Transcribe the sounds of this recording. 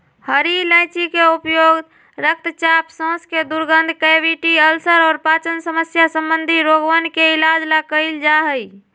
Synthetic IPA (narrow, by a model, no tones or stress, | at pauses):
həɾilə̃ɪt͡ʃikeupjoɡ̪ | ɾək̚t̪t͡ʃapsɔ̃ːsked̪uɾɡənd̪ʱkəʋiʈiəlsəɾɔːɾpaːt͡ʃənsəməsjasə̃mbənd̪ʱiɾoɡʋənkeilad͡ʒlakəɪld͡ʒaɦəi